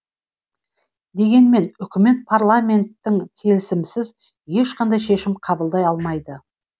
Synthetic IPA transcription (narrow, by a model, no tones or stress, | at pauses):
d̪e̞ɡʲe̞nme̞nʏkʲɪme̞t̪̚pʰaɾlˠamʲe̞nt̪ːɪŋkʲʰe̞lɪsɪmsɪz | je̞ʃqɑnd̪ɑjʃe̞ʃɪmqʰɑbəlˠd̪ɑjɑlˠmɑjd̪ə